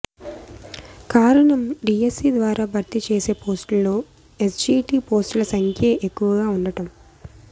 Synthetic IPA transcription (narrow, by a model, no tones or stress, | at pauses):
kaːɾɐɳɐmɖiːesiːd̪ʋaːɾaːbʱɐɾt̪it͡ʃeːse̞ːpoːsʈlo̞ː | e̞sd͡ʒiːʈiːpoːsʈulɐsɐŋkʰjeʔekːuʋɐɡaːuɳɖɐʈɐm